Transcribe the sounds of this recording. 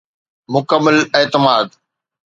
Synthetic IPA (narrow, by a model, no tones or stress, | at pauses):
mʊkəmːəleːt̪ɪmaːd̪